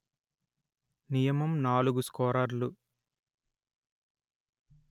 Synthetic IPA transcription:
nijɐmɐmnaːluɡuskɔːɾɐɾlu

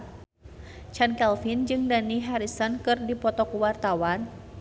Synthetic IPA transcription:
t͡ʃankɛlfind͡ʒɨŋdaniɦaɾisɔnkɨrdipɔt̪ɔkuwart̪awan

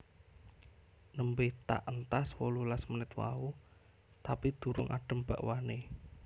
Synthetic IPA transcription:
nəmbet̪a̰ʔənt̪aswɔlulasmənɪt̪wa̰u | t̪apid̪̥ṳɾʊ̰ŋʔa̰ɖ̥ə̤mb̥a̤ʔwane

